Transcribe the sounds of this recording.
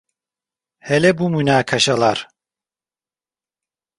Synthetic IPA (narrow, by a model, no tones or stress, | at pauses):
hɛlɛbumynaːkʰaʃalˠaɾ̥